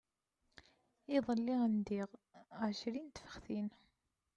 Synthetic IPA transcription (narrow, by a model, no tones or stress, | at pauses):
iðˤəlːiʁənd̪iʁʕʃɾint̪fə̥χθin